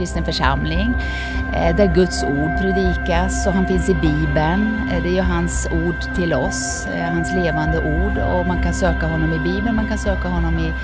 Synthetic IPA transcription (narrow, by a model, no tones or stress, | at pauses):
ɾɪst̪ənfœʂa̰mlɪŋ | d̪æɾɡɵt̪suːɖ̚pʰɾɛd̪iːkasɔɦanfɪnsɪbiːbən | d̪ɛæɾjɵɦansuːɖʈʰɪlɔs | ɦansleːvand̪əʔuːɖɔ̰mankansøːkaɦɔnːɔmɪbiːbənmankʰansøːkaɦɔnːɔmɪ